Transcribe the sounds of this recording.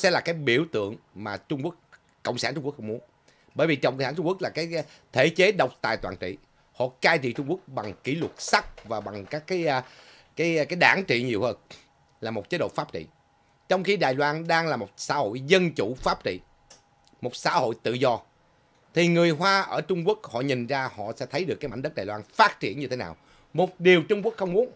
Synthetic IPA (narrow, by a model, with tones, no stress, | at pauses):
sɛ̰˧˥laː˨˩kaː˨˦jɓi˧˩əwt̪ɨ̰˧˨əŋmaː˨˩t͡ɕʊ˧ŋ͡mku˦˥ək̚ | kːə˧˨wŋ͡msaː˧˩ntt͡ɕʊ˧ŋ͡mkk̚xŋ͡mu˨˦ən | ɓəː˧˩jvi˨˩t͡ɕə̰˨wŋ͡mkə˧˨saː˧˥˩t͡ɕʊ˧ŋ͡mku˦˥k̚laː˨˩kaː˨˦j | t̪ʰe˧˩˦t͡ɕe˨˦ɗə˨˩wk͡p̚t̪a̰ː˨˩jt̪waː˨˩nt͡ɕḭ˧˨ | hɔ̰˧˨kaː˧jt͡ɕḭ˧˨t͡ɕʊ˧ŋ͡mku˦˥ək̚ɓa˨˩ŋki˧˩lwə˨˩t̚sa˦˥k̚vaː˨˩ɓa˨˩ŋkaː˦˥kːaː˨˦j | kaː˨˦jkaː˨˦jɗaː˧˩nt͡ɕḭ˧˨ɲi˨˩əwhəː˧n | laː˨˩mo˨˩t̚t͡ɕe˨˦ɗo̰˧˨faː˦˥p̚t͡ɕḭ˧˨ | t͡ɕɔ˧wŋ͡mxi˧ɗaː˨˩jlwaː˧nɗaː˧ŋlaː˨˩mo˨˩t̚sa̰ː˧˥ho̰˧˨jzə˧nt͡ɕu˧˩faː˦˥p̚t͡ɕḭ˧˨ | mo˨˩t̚sa̰ː˧˥ho̰˧˨jt̪ɨ̰˧˨zɔ˧ | t̪ʰi˨˩ŋɨ˨˩əjɦwaː˧ʔəː˧˩t͡ɕʊ˧ŋ͡mku˦˥ək̚hɔ̰˧˨ɲi˨˩ŋzaː˧hɔ̰˧˨sɛ̰˧˥t̪ʰə˨˦jɗɨ˨˩kaː˨˦jma˧˥ŋ̟ɗə˦˥t̚ɗaː˨˩jlwaː˧nfaː˦˥t̚t͡ɕi˧˩ənɲɨ˧e˨˦naː˨˩w | mo˨˩t̚ɗi˨˩əwt͡ɕʊ˧ŋ͡mku˦˥ək̚xə˧wŋ͡mmu˨˦ən